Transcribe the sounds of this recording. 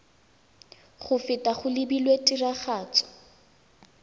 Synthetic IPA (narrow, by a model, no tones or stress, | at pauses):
χʊfɪtʼaχʊlɪbilwetʼiraχaːt͡sʼɔ̥